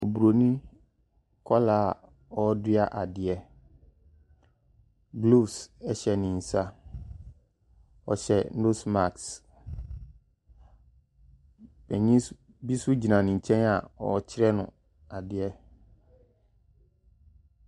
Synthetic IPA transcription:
o˨bu˨ɾo˨nĩ˦ | kʰɔ˦laː˦˨ | ɔ˦dɪ˦a˦ʔa˨dɪ˨ɛ˦ | blu˦˨sɛ˦ɕɛ˨nɪ̃˨n̩˨sa˦ | ɔ̰˨ɕɛ˨˦o˦sma˨ks | bɛ˨ɲĩ˦ | bi˦sʊ˦d͡ʑi˨nã˨nɪ̃˨ɲ̩˨t͡ɕʰɛ̃˦na˨ɔ̰˨t͡ɕʰɪ˦ɾɛ˦nʊ̰̃˨ | a˨dɪ˨ɛ˦

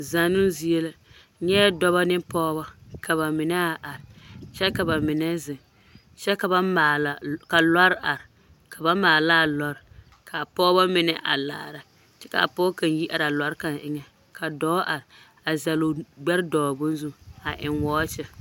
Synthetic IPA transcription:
za˨nʊ˦zi˦e˦la˦ | ɲɛ˦dɔ˦βa˦nɪ˦pɔː˦ba˦kʰa˨βa˨mɪ˨nɛ˦a˨ʔa˨ɾɪ˨t͡ʃɛ˦ka˨ba˨mɪ˨nɛ˦zɪ˨ | t͡ʃɛ˦ka˨ba˦maː˨la˨ka˨la˦ɾʔa˨ɾ | kʰa˨ba˦maː˨la˦˨lɔ˨ɾ | kʰa˨pɔː˦ba˦mɪ˦nɛ˦ʔa̰˨la̰ː˨ɾa˨ | t͡ʃɛ˦ka̰˨pɔː˦ka˨n˦ji˦ʔa˨ɾa˨la˦ɾka˨nʔɪ˦ŋɛ˨ | ka˨dɔː˦ʔa˨ɾɪ˨ | a˨za˨lo˨ɡ͡bɛ˦ɾdɔː˨bʊ˦n˦zʊ˦a˨ʔɪ˨ŋwɔː˦t͡ʃɛ˦

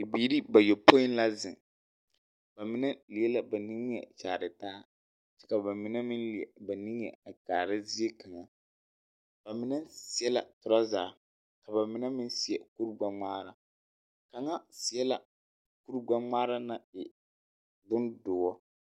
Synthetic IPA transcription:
i˨biː˨˦ɾi˦ba˨jo˨po˦ɪ˦n˦la˦zɪ̰˨ŋ | b̥a˨mɪ˦nɛ˦li˨ɛ˦la˨ba˨ni˦ŋ˦jɛ̰˨t͡ʃaː˨ɾɨ˨taː˦ | t͡ʃɛ̥˦ka˨ba˨mɪ˨nɛ˦mɪ˦nli˨ɛ˨ba˨ni˦ŋ˦jɛ̰˨a˨kaː˨ɾɪ˦zi˦ɛ˦ka˨ŋa˨ | b̥a˨mɪ˨nɛ˦si˨ɛ˦la̰˨tʊ˨ɾa˦zaː˨ | ka˨ba˨mɪ˨nɛ˦mɪ˦nsi˦ɛ˨ku˦ɾɡ͡ba˨ŋ͡maː˦ɾa˦ | ka˨ŋa˦si˨ɛ˦la˨ | ku˦ɾɡ͡ba˦ŋ͡maː˦ɾa˦na˦ɪ˨ | bʊ˦ndʊː˨wɔ˦

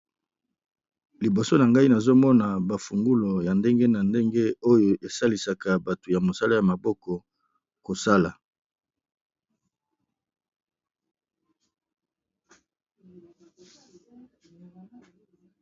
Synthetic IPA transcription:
li˨bo˨so˦na˨ŋɡa˦i˦na˨zo˦mɔ˦na˨ba˨fu˨ŋɡu˦lo˨ja˨nde˦ŋɡe˦na˨nde˦ŋɡe˦o˦jo˨ʔe˨sa˦li˨sa˨ka˨ba˨to˨ja˨mo˨sa˦la˦ja˨ma˨bɔ˦kɔ˨ | ko˨sa˦la˨

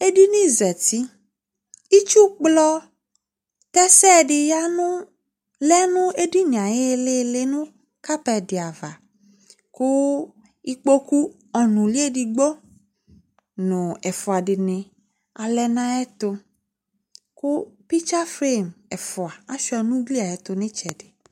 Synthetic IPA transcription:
e˦ɖi˦nĩ˦zɛ˨t̪i˦ | i˦t͡ʃu˦k͡plɔ˦ | t̪ɛ˦sɛ˦˨ɖɪ˨ja˦nũ˦ | lɛ˦nũ˦e˦di˦nĩ˨ã˨je˦˨le˦˨le˦nũ˦ | ka˦pɛ˨di˨a˨va˨ | ku˦ | i˦k͡po˦ku˦ | ɔ˨nũ˨li˦e˦di˨ɡ͡bɔ˦ | nʊ̃˨ɛ˨fɔ˨a˨ɖɪ˨nɪ̃˨ | a˨lɛ˨nã˦ɛ˦t̪ʊ˧ | kʊ˦pi˦t͡ʃa˦fɾe˦˨mɛ˨fɔ˨a˨a˦ʃu˦a˨nũ˦ɡli˦a˨ɛ˨t̪ʊ˨nɪ̃˦t͡ʃɛ˨dɪ˨

